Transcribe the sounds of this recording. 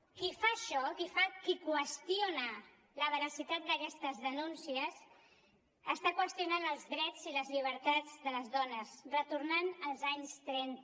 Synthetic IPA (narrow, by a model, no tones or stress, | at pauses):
kifaʃɔkifakikwəst̪ionə | ləβəɾəsit̪at̪̚d̪əkɛst̪əzðənunsiəs | əst̪akwəst̪iunanəlˠzðɾɛd͡ziləzʎiβ̞əɾt̪ad͡zðələzðɔnəsrət̪uɾnanəlˠzaɲst̪ɾɛnt̪